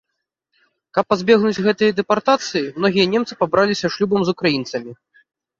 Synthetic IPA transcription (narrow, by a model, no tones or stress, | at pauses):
kɐpːazʲbʲɛɣnud͡zʲɣɛt̪ɨjɐd̪ɛpart̪at̪sɨjimnɔɣʲijɐnʲɛmt̪sɨ̥pabɾalʲisʲɐʂlʲubɐmzukɾajint̪sɐmʲi